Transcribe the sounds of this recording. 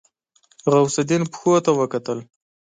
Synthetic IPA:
ɣawsad̪inpxot̪awəkat̪əl

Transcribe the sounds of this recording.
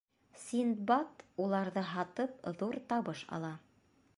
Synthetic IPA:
sind̪bɑt̪ulˠɑɾðɤɦɑt̪ɤp̚ðuɾt̪ɑβɤʃɑ̰lˠɑ

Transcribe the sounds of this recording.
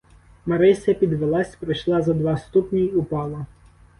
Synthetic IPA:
mɐɾɪsʲɐpʲid̪ʋelˠɑsʲpɾɪjʃlˠɑzɐd̪ʋɑst̪upnʲijʊpɑlˠɐ

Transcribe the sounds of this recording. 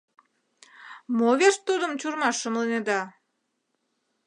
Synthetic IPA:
moβeʃt̪ud̪əmt͡ɕurmɑʃːə̆mlənʲed̪ɑ

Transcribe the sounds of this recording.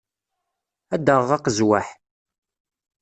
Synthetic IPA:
æd̪əʁɑqəzwaħ

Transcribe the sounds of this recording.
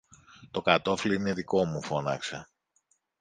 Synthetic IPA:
t̪o̞kat̪o̞fliineðiko̞mufo̞nɐksɐ

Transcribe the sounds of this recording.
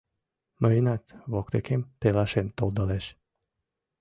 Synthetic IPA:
məinat̪vokt̪ekempelaʃent̪old̪əleʃ

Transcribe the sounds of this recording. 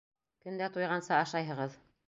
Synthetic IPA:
kɵ̆nd̪æt̪ujʁɑnsɤːʃɑjɦɤ̆ʁɤð

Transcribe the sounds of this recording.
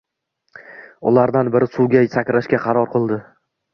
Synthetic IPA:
ʊ̰laɾd̪anbɪɾɪsuwɡʲajsakʲɾaʃkʲaqʰɑɾɒɾqɨlˠd̪ɪ

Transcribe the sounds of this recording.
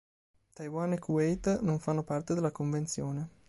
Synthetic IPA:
t̪ajwanekuɛjt̪noɱfanːopart̪ed̪elakoɱvent̪sjoːne

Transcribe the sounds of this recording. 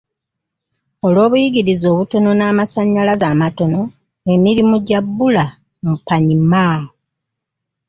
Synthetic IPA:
o̞lwo̞ːβujiɡiɾizo̞ːβuto̞no̞naːmasaɲːalazaːmato̞no̞ | e̞miɾimuɟabːula | mupaɲimaː

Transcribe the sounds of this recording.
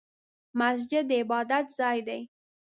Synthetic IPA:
mas̬d͡ʒɪd̪ːəɪbɑd̪at̪zɑjd̪aj

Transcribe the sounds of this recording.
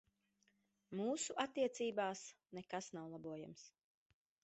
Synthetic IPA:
muːsuʔat̪ːiɛt̪siːbaːs | nekasnawlˠabuɔja̰ms

